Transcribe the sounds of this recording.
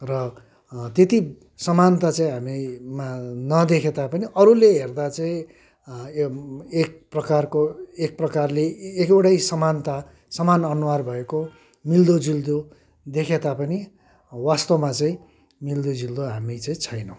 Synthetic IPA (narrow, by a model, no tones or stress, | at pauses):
rʌ | t̪et̪i | sʌmant̪at͡saĩɦamimanʌd̪ekʰet̪apʌniʔʌɾuleɦerd̪at͡saĩ | ek̚prʌkarkoek̚prʌkarleːkewʈajsʌmant̪a | sʌmanʌnuwarbʱʌeko | mild̪od͡zild̪o | d̪ekʰet̪apʌni | wast̪omat͡saĩ | mild̪od͡zild̪oɦamit͡saĩt͡sʰʌjnʌw̃